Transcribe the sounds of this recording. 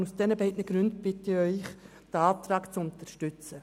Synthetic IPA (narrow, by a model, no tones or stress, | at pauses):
nusd̥ɛnəbɛɪdnəɡɾʉndb̥ɪtɪœʏχ | d̥əɑːt̪ɾɑːɡt͡sʊntəɾʃtʏt͡sə